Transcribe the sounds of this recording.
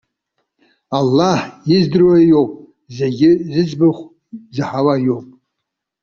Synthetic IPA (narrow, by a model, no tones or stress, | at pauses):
alːaħjɪzdɨrwajo̞wpʼ | zeɡʲɪzɨt͡sʼbɨχʷ | zɨħawajo̞wpʼ